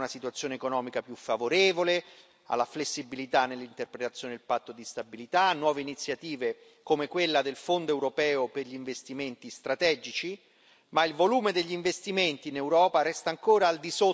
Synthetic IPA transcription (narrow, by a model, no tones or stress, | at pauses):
nasit̪wat̪sːjoːnekonɔːmikapjufavoɾeːvole | a̰lːaflesːibilit̪anːelːint̪erpɾet̪at̪sjoːned̪ilpat̪ːod̪ist̪abilit̪anːwɔːveinit̪sjat̪iːve | komekwelːad̪elfond̪oewɾopɛːoperʎiːɱvest̪iment̪ist̪ɾat̪ɛːd͡ʒit͡ʃi | mailvoluːmed̪eʎːiɱvest̪iment̪iːnewɾɔːpaɾɛst̪aːŋkoːɾaːld̪iso